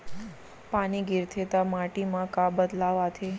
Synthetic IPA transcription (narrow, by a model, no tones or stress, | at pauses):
paniɡiɾt̪ʰet̪amaʈimãkabəd̪laʋat̪ʰe